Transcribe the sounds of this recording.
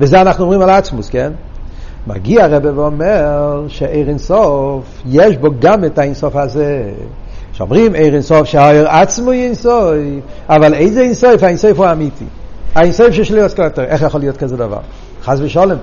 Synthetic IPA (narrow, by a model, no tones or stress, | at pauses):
vizeanaχnuɔmʁimalˠat͡smuskɛn | ma̰ɡiaaʁɛbɛvɔmɛʁʃeeɪʁɪnsɔfjɛʃboɡamɪtainsɔfaze | ʃɔ̰mʁimeɪʁɪnsɔfʃeɔjəʁat͡smuinsɔɪfavalˠeɪzɛinsɔɪfainsɔɪfoamitḭainsɔɪfʃeʃliɔskɔtɛʁɛχjaχɔlˠjot̚kazɛdava̰ʁ | χazvɪʃɔlˠɛm